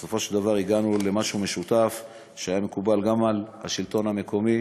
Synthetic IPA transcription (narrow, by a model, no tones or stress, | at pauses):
eso̞fo̞ʃeld̪avaʁiɡanule̞maʃume̞ʃut̪af | ʃeajame̞kubalɡamalha̰ʃilt̪o̞name̞ko̞mi